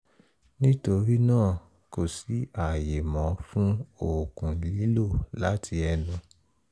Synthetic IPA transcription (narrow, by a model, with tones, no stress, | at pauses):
nĩ˦to˧ɾi˦nãː˦˨ | ko˨si˨˦a˨je˨mɔ̃˨˦fũ˦o˨kũ˨li˨˦lo˦˨la˨˦tʰi˧ɛ˧nũ˨˦